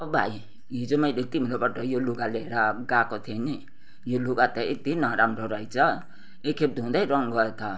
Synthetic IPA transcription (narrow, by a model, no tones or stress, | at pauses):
ʌʌbʱa̰j | ɦid͡zomajdek̚t̪ibʱʌnd̪abaʈʌjoluɡaleɦeɾaɡakot̪ʰieni | joluɡat̪ʌḛk̚t̪iinʌɾamɾoɾʌɦit͡sʰʌ | ekʰːep̚t̪d̪ɦũd̪ajɾʌŋɡʌet̪ʰʌ